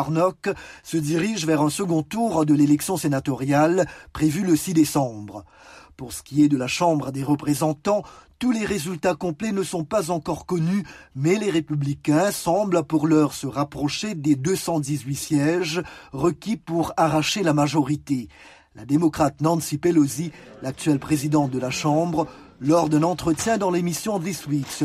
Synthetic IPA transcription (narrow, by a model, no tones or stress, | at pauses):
ʁnɔksəd̪iʁiʒvɛʁɛ̃səɡɔ̃t̪uʁd̪əlelɛksjɔ̃senat̪ɔʁjalpχevyləsid̪esɑ̃bʁ | puʁsə̥kʲiɛd̪əlaʃɑ̃bʁəd̪eʁəpχezɑ̃t̪ɑ̃t̪uleʁezylt̪akɔ̃plɛnəsɔ̃pazɑ̃kɔʁkɔnymɛleʁepyblikʲɛ̃sɑ̃blpuʁlœʁsəʁapχɔʃed̪ed̪øsɑ̃d̪izɥisjɛʒʁəkʲipuʁaʁaʃelamaʒɔʁit̪e | lad̪emɔkχat̪nɑ̃nsipelozilak̚t̪yɥɛlpχezid̪ɑ̃t̪̚d̪əlaʃɑ̃bʁ | lɔʁd̪ɛ̃nɑ̃t̪χət̪jɛ̃d̪ɑ̃lemisjɔ̃d̪iswiks